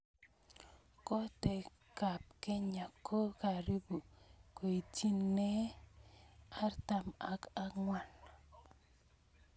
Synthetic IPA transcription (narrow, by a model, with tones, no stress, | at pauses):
kɔ˦tɛ˨ | ka˨p̚ke˦ɲa˨kʰːo˦ka˨ɾi˦bu˨ko˨i˨ti˦nːe˦ | a˦rta˨ma˨ka˦ŋwa˨n